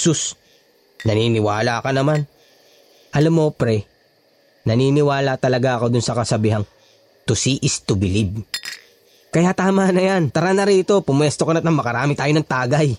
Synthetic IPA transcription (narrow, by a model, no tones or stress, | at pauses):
sus | nɐniːnɪwaːlakɐnɐman | ʔɐlɐmːo̞pɾɛ | nɐniːnɪwaːlɐt̪ɐlɐɡaʔɐko̞d̪ʊnsɐkɐsɐbiːɦɐŋ | t̪ʊsiːʔɪst̪ʊbɪlib̚ | kɐjat̪aːmanɐjant̪ɐɾanɐɾiːt̪o̞pʊmwɛst̪okɐnɐt̪nɐŋmɐkɐɾaːmɪt̪aːjonɐŋt̪aːɡɐj